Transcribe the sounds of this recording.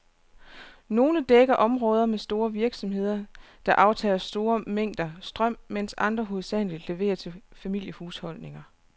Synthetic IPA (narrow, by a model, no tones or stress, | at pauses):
no̝ːləd̥eɡ̥ɐʔɒ̽mʁɔ̽ːð̞ˠɐmesd̥o̝ːɐʋiɐɡ̥sɒ̽mɦe̝ð̞̰ˠɐ | d̥ɑ̈ʔɑ̈ʊt͡sʰɛ̰ːlɐsd̥o̝ːɐmeŋ̰d̥ɐsd̥ʁɶm̰men̰sɑ̈nd̥ʁɐɦo̝ð̞̩ˠsd̥æn̰lid̥le̝ʋe̝̰ːɐt͡sʰe̝fæmil̰jəhuːshɒ̽l̰ne̝ŋɐ